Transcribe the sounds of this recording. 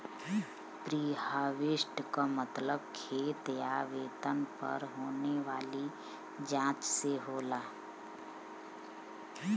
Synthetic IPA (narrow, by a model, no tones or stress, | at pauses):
pɾiːhaːʋɪʃʈkamət̪ləbkʰeːt̪jaːʋeːt̪ənpə̰ɾɦoːneʋaːli | d͡ʒãːt͡ʃseɦoːlaː